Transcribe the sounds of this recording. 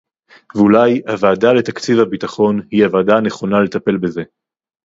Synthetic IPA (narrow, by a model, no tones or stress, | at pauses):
vulajavaːdale̞t̪akt͡sivhabit̪aχo̞nhiavaːdane̞χo̞nalet̪ape̞lbeze̞